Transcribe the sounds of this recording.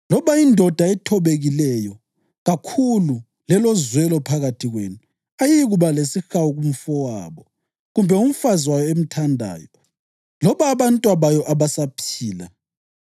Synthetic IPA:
lɔβaindʱɔd̥ʱaɛtʰɔβeɣilɛjɔ | ɣakʰulu | lɛlɔzwɛlɔpʰaɣatʰiɣwḛnu | ajiɣuβalesixawuɣum̩fɔwa̰ːβɔ | ɣumbʱɛum̩fazwajɔem̩tʰandʱa̰ːjɔ | lɔβaːβantʼwaβajɔʔaβasapʰiːla

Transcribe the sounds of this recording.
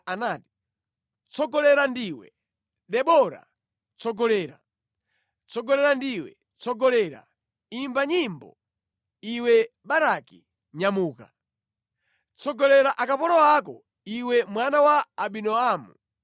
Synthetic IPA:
anaːti̥ | t͡sɔɡɔlɛɾandiːwɛ̰ | ɗɛɓɔɾa̰ | t͡sʰɔɡɔlɛːɾa̰ | t͡sɔɡɔlɛɾandiwɛ̰ | t͡sɔɡɔlɛːɾa̰ | imbaɲimbɔ̰ | iwɛɓaɾaki | ɲamuːka | t͡sɔɡɔlɛɾaʔakapɔɾɔak̬ɔ̰ | iwɛmwanawaːɓinɔaːmṵ

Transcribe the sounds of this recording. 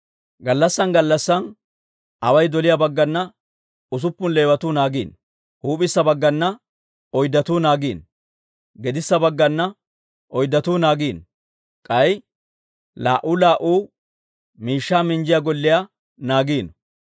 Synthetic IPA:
ɡɐlːɐsːɐnɡɐlːɐsːɐn | ʔɐwɐjd̪ɔlɪjabɐɡːɐnːɐ | ʊs̬ʊpːʊnleːwɐt̪uːnaːɡḭːn | huːpʼɪsːɐbɐɡːɐnːɐ | ɔjd̪ɐt̪uːnaːɡiːn | ɡɛd̪ɪsːɐbɐɡːɐnːɐ | ʔɔjd̪ɐt̪uːnaːɡiːn | kʼɐj | la̰ːʔuːlaːʔuː | miːʃːaːmɪnd͡ʒɪjaɡɔlːɪja | naːɡiːn

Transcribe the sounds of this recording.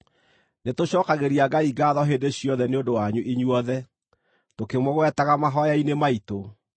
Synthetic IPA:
netoɕɔːkaɣeɾiaɡaiɡaːðɔɦeːdeɕiɔðɛneondowaɲuʔiɲuɔðɛ | tokemwɔɣwɛtaɣamaɦɔjainemaito

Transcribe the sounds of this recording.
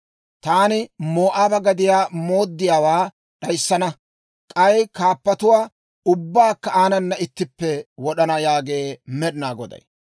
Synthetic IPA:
t̪aːnɪmo̞ːʔaːbɐɡɐd̪ɪjaːmo̞ːd̪ːɪjaːwaː | ɗɐjsːɐnɐ | kʼɐjkaːpːɐt̪ʊwaː | ʊbːaːkːɐaːnɐnːɐɪt̪ːɪpːɛwɔɗɐnɐjaːɡe̞ːmɛɗɪnaːɡɔ̰d̪ɐ̰j

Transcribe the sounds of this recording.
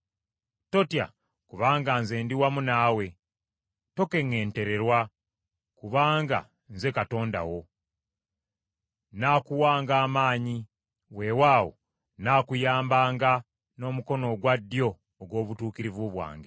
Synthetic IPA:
to̞tja̰ | kuβaːŋɡanze̞ːndiwamunaːwe̞ | to̞ke̞ŋːe̞ːnte̞ɾe̞ɾwa | kuβaːŋɡa̰ | nze̞kato̞ːnda̰wo̞ | naːkuwaːŋɡaːmaːɲi | we̞waːwo̞̰ | naːkujaːmbaːŋɡa | no̞ːmuko̞no̞ɡwadːjo̞ː | ɡwo̞ːβutuːkiɾivuβwa̰ːŋɡe

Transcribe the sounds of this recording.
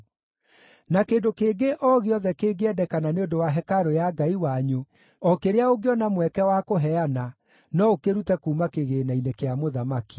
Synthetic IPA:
nakeːndokeːɡeʔɔɣeɔðɛkeːɡeɛdɛkananeondowaɦɛkaɾojaɡaiwaɲo | ɔkeɾeaoɡeɔnamwɛkɛwakoɦɛana | nɔokeɾutɛkuːmakeɣeːnainekeamoðamaki̥

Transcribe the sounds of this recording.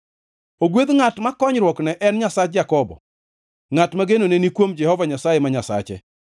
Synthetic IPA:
oɡwed̪ŋatmakɔɲɾwɔknɛʔɛnɲasat͡ʃd͡ʒakɔbɔ̰ | ŋatmaɡenonenikwomd͡ʒɛhɔvaɲasajɛmaɲasa̰t͡ʃɛ̰

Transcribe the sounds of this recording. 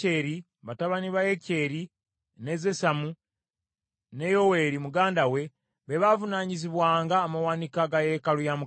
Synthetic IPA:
eɾi | βataβaniβaje̞ce̞ːɾi | ne̞zesamu | ne̞jo̞we̞ɾimuɡaːndawe̞ | βeβavunaːɲiziβwaːŋɡaːmawanikaɡaje̞kalujamu

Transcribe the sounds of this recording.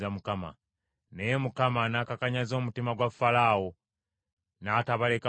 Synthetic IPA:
amukama̰ | ne̞jemukamanaːkakaɲazo̞ːmutimaɡwafːalaːwo | naːtaβaleka

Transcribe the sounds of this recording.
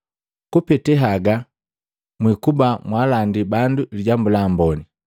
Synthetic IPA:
kupɛtɛɦaɡa | mwikubamwalandibanduliɟambulambɔni

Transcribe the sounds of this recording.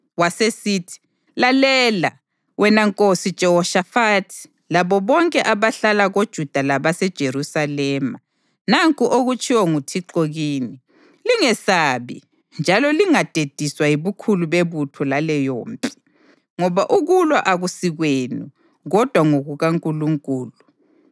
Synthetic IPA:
wasesiːtʰi̥ | lalɛla̰ | wʔɛnaŋkʼosid̥ʒ̥ʱɛhɔʃafatʰi̥ | laβɔβɔŋkʼɛʔaβaɬalaɣod̥ʒ̥ʱud̥ʱalaβasɛd̥ʒ̥ʱeɾusalɛma | naŋkʼuʔoɣut͡ʃʰʼiwɔŋutʰiǃoɣiːni | liŋɛsaβḭ | nd͡ʒʱalɔliŋad̥ʱed̥ʱiswaiβukʰuluβeβutʰɔlalɛjoːmpʼi̥ | ŋɔβaʔuɣulwaʔaɣusiɣweːnu | ɣɔd̥ʱwaŋoɣuɣaŋkʼuluŋkʼuːlu

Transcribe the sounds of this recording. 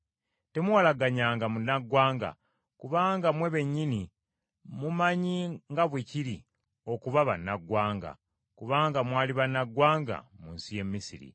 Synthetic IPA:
te̞muwalaɡaɲaːŋɡamunːaɡwaːŋɡa̰ | kuβaːŋɡamwe̞βe̞ɲːini | mumaɲiŋɡaβwiciɾi | o̞kuβaβanːaɡwaːŋɡa̰ | kuβaːŋɡamwaːliβanːaɡwaːŋɡa̰muːnsije̞mːisiɾḭ

